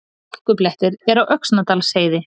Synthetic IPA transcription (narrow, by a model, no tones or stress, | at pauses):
ahkʏplɛht̪ɪɾɛɾawʔœksnat̪aːlseːjðɪ